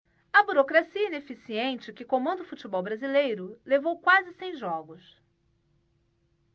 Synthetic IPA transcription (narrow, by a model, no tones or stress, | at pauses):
ɐbuɾokɾasiɐinefisiẽnt͡ʃɪkɪkõmɐ̃nd̪ʊfut͡ʃibɔwbɾazilejɾʊlevowkwazɪsẽj̃ʒɔɡʊs